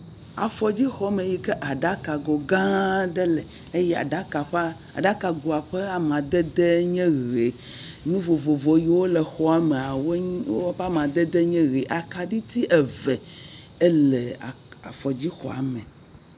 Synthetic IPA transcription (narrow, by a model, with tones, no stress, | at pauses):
a̰˨fɔ˨d͡ʑi˦xɔ˨˦mẽ˨ji˦kɛ˦ʔa˨ɖa˦ka˨ɡo˨ɡã˦ɖɛ˦lɛ˨ | e˦jɛ˦a̰˨ɖa˦ka˨ɸa˦ | a̰˨ɖa˦ka˨ɡo˨a˨ɸɛ˦a˨m˨ã˨d̪ɛ˦d̪e˦ɲɛ̃˦ɣe˨ | nũ˦vo˨vo˨vo˨ji˦wo˦lɛ˨xɔ˦a˨me˨a˨wo˦wo˦ɸa˦mã˨d̪ɛ˦d̪ɛ˦ɲɛ̃˦ɣe˨ʔa˨ka˨ɖi˦t̪i˦ʔɛ˨vɛ˨ | ɛ˦le˨ | a̰˨fɔ˨d͡ʑi˦xɔ̰˨a̰˨mɛ̃˨